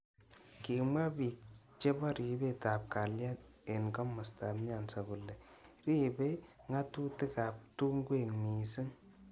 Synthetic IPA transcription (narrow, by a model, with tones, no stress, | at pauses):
ki˨ma˦bi˨t͡ʃe˦ba˦ɾi˨be˦˨taː˨p̚ka˨lja˦ne˨nkɔ˦mʊ˨sta˨mɲa˨nsa˨bu˨lːɛ˨ | ɾi˦be˦ | ŋa˦tu˦tɪ˦ka˨p̚tu˦ŋɡwe˦˨ŋniː˨si˦ŋ